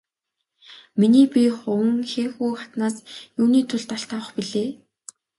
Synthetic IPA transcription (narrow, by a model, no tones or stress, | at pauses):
miniːpʲiχʊwə̆ŋxeːxuːχat̪naːsjuːniːt̪ʰʊɮt̪aɬt̪ʰawə̆χpiɮeː